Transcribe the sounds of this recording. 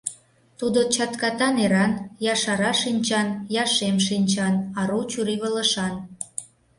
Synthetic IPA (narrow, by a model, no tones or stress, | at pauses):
t̪ud̪ot͡ɕɑt̪kɑt̪ɑneɾɑnjɑʃɑɾɑʃinʲt͡ɕɑnjɑʃemʃinʲt͡ɕɑnɑɾut͡ɕuɾiβələ̆ʃɑn